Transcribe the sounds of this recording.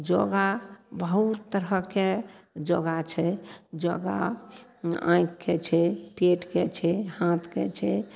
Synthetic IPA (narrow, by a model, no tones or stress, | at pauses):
d͡ʒoɡabəɦut̪ːəɾɦəked͡ʒoɡat͡ʃʰɛd͡ʒɔ̰ɡa̰ | ã̰kːet͡ʃʰɛpeʈket͡ʃʰɛhat̪ʰkḛt͡ʃʰɛ